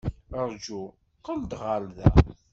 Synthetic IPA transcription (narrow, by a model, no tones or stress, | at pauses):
əɾˤd͡ʒu | qəld̪ʁaɾðæ̰